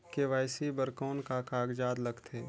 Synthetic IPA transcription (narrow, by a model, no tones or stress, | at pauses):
keʋaːɪsibəɾkɔːnkakaːɡd͡ʒaːd̪lɐɡt̪ʰeː